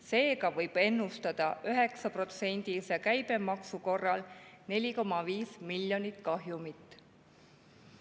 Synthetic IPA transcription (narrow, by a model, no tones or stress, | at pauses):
se̞ːɡɑvɤjb̥e̞nːust̪ɑd̪̥ɑʔyɦe̞ksɑpro̞t̪se̞nʲd̪̥isjɑkæjb̥e̞mɑksuko̞rːɑlne̞lʲiko̞mːɑviːsmilʲjo̞nit̪kɑɦjumit̪ːˑ